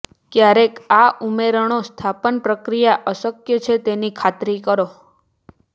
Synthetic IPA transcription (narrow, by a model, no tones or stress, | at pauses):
kjaɾekaʔumeɾəɳ̃ost̪ʰapənpɾəkɾijaʔəsəkjət͡ʃʰet̪enikʰat̪ɾikəɾo